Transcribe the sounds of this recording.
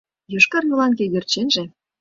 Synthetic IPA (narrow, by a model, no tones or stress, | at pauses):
joʃkɑrjulɑnkejørt͡ɕenʒĕ